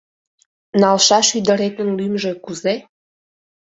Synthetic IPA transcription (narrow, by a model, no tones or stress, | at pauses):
nɑlʃɑʃyd̪ə̆ɾet̪ə̆nlymʒĕkuze